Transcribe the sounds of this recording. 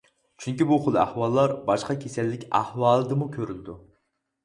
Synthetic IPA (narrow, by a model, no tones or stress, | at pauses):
t͡ʃʰyŋkʲibuχolˠæ̰hwɑlˠːɑɾbɑʃqɑkʲʰesɛlːɪkʲæhwɑːlˠɨd̪ɨmukʲʰøɾyld̪u